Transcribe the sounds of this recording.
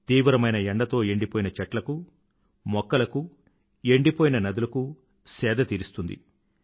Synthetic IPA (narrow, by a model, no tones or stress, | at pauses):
t̪iːʋɾɐmɐjnɐeɳɖɐt̪o̞ːe̞ɳɖipoːjinɐt͡ʃɐʈlɐku | mɔkːɐlɐku | e̞ɳɖipoːjinɐnɐd̪ulɐku | sɛːd̪ɐt̪iːɾist̪und̪ḭ